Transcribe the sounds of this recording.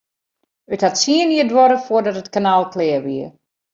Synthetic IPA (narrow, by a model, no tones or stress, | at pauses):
əthatsiəniədwɔɾəfoərdɔtətkanaːlˠkʰlɛəʋiər